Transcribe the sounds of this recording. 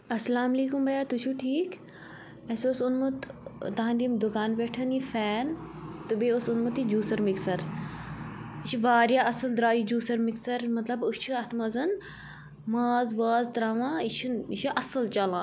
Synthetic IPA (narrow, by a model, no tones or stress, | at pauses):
ɐsɐlaːmɐleːkumbɐjaːt̪ut͡ʃʰuʈʰiːk | ɐsoːsunmut̪t̪aãnd̪imd̪ʊkaːnpeːʈʰɐnifɛːnt̪ɨbeoːsunmut̪id͡ʒuːsɐɾmiksɐɾ | it͡ʃʰiʋaːɾjaːʔɐsɨld̪ɾaːjid͡ʒuːsɐɾmiksɐɾmɐt̪lɐbust͡ʃʰuɐt̪ʰmɐzɐn | mɐːzʋaːzt̪ɾaːʋãːit͡ʃʰinit͡ʃʰiʔɐsɨlt͡ʃɐlãː